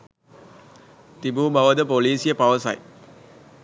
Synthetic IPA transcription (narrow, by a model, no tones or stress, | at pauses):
t̪ibuːbɐʋɐd̪ɐpoliːsɪjɐpɐʋɐsɐ̰j